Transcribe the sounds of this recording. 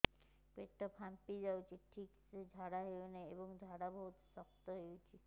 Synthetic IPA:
ket̪ɔpʰampid͡ʒawt͡ʃʰiʈʰiksed͡ʒʱaɽaɦewneebɔŋd͡ʒʱaɽabɔɦut̪sɔkt̪ɔɦewt͡ʃʰi

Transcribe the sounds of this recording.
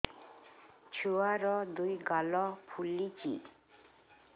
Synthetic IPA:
t͡ɕʰuaɾɔd̪ujɡalɔpʰulːit͡ɕḭ

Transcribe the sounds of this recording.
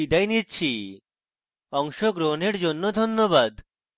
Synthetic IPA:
id̪ajnitːt͡ɕʰi | ɔŋʃoɡɾoneɾd͡ʑonːod̪ʱonːobad̪

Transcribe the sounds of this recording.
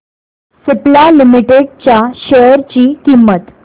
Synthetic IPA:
suplalimiʈeɽ̚t͡ɕjaɕəɾt͡ɕiːkimːət̪

